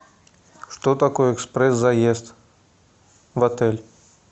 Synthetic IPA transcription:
ʂt̪ɔt̪akɔjɛɛkspɾɛsːɐjest̪ | vɐt̪ɛlʲ

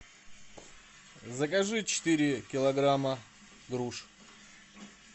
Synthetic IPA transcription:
zəkɐʐɨt͡ɕɪ̥t̪ɨɾʲɪkʲɪlˠɐɡɾamə | ɡɾuʂ

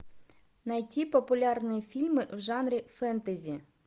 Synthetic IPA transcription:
nɐjtʲipɔpʊlʲɑrnɨjifʲilʲmɪwʐɑnɾʲifɛnt̪ɐzʲi

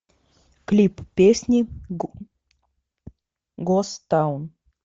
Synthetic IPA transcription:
klʲippʲesʲnʲi | ɡost̪awn

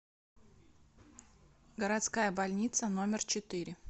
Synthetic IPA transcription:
ɡəɾat̪skajəbɐlʲnʲit̪səno̞mʲɪrt͡ɕɪt̪ɨɾʲɪ

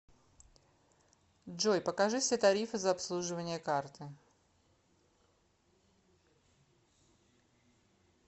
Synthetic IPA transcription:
dʐojpəkɐʐɨfsʲet̪ɐɾʲifɨzɐɐpslˠuʐɨvənʲɪjəkart̪ɨ

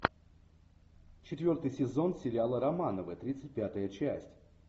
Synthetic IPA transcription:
t͡ɕɪt̪vʲo̞rt̪ɨjsʲɪzo̞nsʲɪlʲalˠəɾɐmanəvəət̪ɾʲit̪sɨt̚ʲpʲat̪əjət͡ɕæsʲtʲ

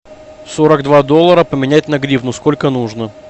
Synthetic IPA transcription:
soɾəɡd̪vad̪olˠːəɾəpəmʲɪnʲætʲnɐɡɾʲivnʊsko̞lʲkənuʐnə

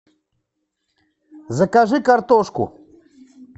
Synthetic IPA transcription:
zɐkaʐɨkaɾt̪oʂkṵ

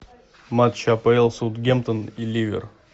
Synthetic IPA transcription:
mat̪ʃapəelˠsut̪ɡʲemt̪ənilʲivʲɪ̰r

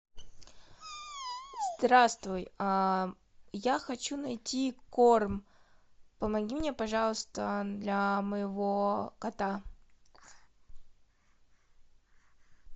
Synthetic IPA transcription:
zd̪ɾast̪vʊja | jaxɐt͡ɕunɐjtʲikorm | pəmɐɡʲimnʲepɐʐɑlˠəst̪əd̪lʲɐməjɪvokɐt̪a

